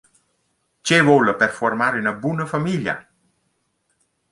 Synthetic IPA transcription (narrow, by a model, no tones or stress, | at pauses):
t͡ʃevoləpɛrfɔrmaːɾinabunəfamilja̰